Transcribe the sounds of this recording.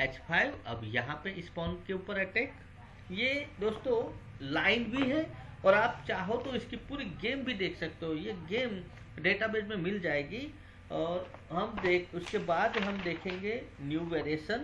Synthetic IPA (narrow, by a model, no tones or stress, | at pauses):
ɛːt͡ʃpʰaːɪʋɐ̰bjɐɦãpeʔɪspɔ̃ːɳɖkeuːpəɾɛʈeːk | jed̪oːst̪õ | laːɪnbʱiɦɛɔːɾaːp̚t͡ʃaːɦot̪oɪskipuːɾiɡeːmbʱid̪eːkʰsɐk̚t̪eɦojeɡeːm | ɖeːʈabeːd͡ʒmẽmɪld͡ʒaːeːɡi | ɔːɾɦɐmd̪ekʊskebaːd̪ɦɐmd̪eːkʰẽːŋɡenjuːʋeːɾeːʃən